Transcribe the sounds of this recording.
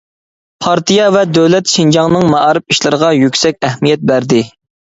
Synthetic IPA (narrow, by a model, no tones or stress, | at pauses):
pʰɑɾt̪ijɑvɛd̪øwlɛt̪ʃind͡ʒɑŋnɨŋmɑɑɾɨpiʃlˠɨɾəʁɑjykʲsɛkʲɛhmijɛt̪̚bæɾd̪ɪ